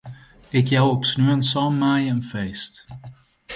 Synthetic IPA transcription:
ɪkjawɔpsnyːənsɑmːaːjəənfejst

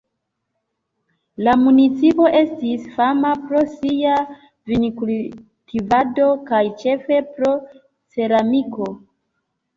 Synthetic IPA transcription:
lamunit͡sipo̞ʔe̞stisfamapɾo̞sia | vinikul | tʰivado̞kajt͡ʃe̞fe̞pɾo̞ | t͡se̞ɾamiko̞

